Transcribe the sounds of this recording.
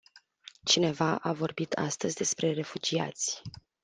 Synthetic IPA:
t͡ʃine̞vaʔavo̞rbit̪ʰa̰st̪əzʲd̪e̞spɾe̞re̞fud͡ʒia̰t̪sʲ

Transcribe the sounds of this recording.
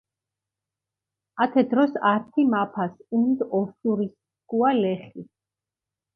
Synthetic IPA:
at̪ʰɛd̪ɾɔsaɾt̪ʰimapʰasund̪ɔʃuɾis | kualɛχi

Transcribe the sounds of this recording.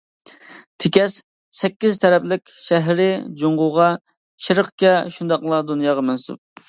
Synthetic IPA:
t̪ʰɪkʲɛs | sɛkʲːizt̪ʰɛɾɛplɪkʲʃɛɦɾɪd͡ʒoɴʁʊʁɑ | ʃɪɾəqkʲɛʃund̪ɑqlˠɑd̪unjɑːʁɑmɛnsṵp̚

